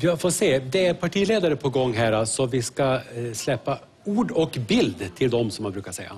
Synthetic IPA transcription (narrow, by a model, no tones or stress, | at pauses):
vafoːʂeːd̪ɛæɾpʰaʈʰiːleːd̪aɾəpʰɔɡɔŋːɦæːɾasɔvɪskaslɛpːa | uːɖɔkbɪld̪t̪ʰɪld̪ɔmsɔmhanbɾʉ̟ːkaʂɛjːa̰